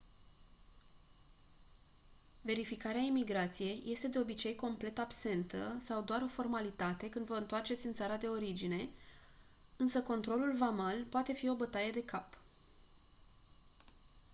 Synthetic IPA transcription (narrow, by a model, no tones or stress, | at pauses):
ve̞ɾifikaɾeaimiɡɾat̪sije̞jːʔe̞st̪e̞d̪e̞o̞bit͡ʃe̞jko̞mple̞t̪abse̞nt̪əsawd̪oaɾo̞fo̞rmalit̪at̪e̞kɨnd̪vəɨnt̪oart͡ʃe̞t̪sʲɨnt̪saɾad̪e̞o̞ɾid͡ʒine̞ | ɨnsəko̞nt̪ɾo̞lulvamalpoat̪e̞fio̞bət̪aje̞d̪e̞kap